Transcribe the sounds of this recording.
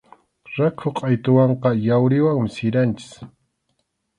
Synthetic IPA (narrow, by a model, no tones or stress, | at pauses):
ɾakʰoqʼajt̪ʊwɑɴqɑjawɾɪwaŋmɪsɪɾant͡ʃɪ̥s